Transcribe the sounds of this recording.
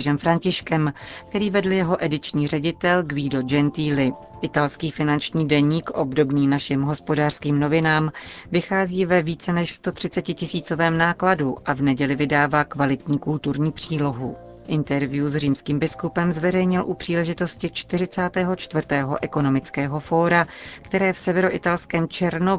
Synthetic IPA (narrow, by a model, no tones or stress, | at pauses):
ʒɛmfɾaɲcɪʃkɛmk̚t̪ɛɾiːvɛdl̩jɛɦo̞ʔɛdɪt͡ʃɲiːr̝ɛɟɪt̪ɛlɡviːdo̞d͡ʒɛnt̪iːlɪ | ʔɪt̪alskiːfɪnant͡ʃɲiːdɛɲiːkʔobdo̞bniːnaʃɪmɦo̞spo̞daːr̥skiːmno̞vɪnaːmvɪxaːziːvɛviːt͡sɛnɛʃst̪o̞t̪r̝̥ɪt͡sɛcɪcɪsiːt͡so̞vɛːmnaːkladuʔavnɛɟɛlɪvɪdaːvaːkvalɪt̪ɲiːkult̪uɾɲiːpr̝̥iːlo̞ɦu | ʔɪnt̪ɛɾvɪjuzriːmskiːmbɪskupɛmzvɛɾɛjɲɪlʔupr̝̥iːlɛʒɪt̪o̞scɪt͡ʃt̪ɪrɪt͡saːt̪ɛːɦo̞t͡ʃt̪vrt̪ɛːɦo̞̰ʔɛko̞no̞mɪt͡skɛːɦo̞foːɾakt̪ɛɾɛːfsɛvɛɾoʔɪt̪alskɛːmt͡ʃɛɾno